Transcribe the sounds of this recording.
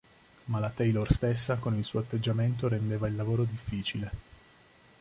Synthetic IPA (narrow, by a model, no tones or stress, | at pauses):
malat̪ɛjlorst̪esːakonilsuːoat̪ːed͡ʒːament̪oɾend̪eːvailːavoːɾod̪ifːiːt͡ʃile